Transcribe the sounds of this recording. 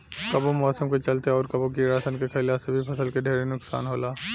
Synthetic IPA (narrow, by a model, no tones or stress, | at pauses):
kɐbomɔːsəmket͡ʃɐlt̪eɔːɾkɐboɡiɾaːsənkekʰɐlasebʱipʰɐsəlkeɖʱeːɾenʊksa̰ːnɦoːlaː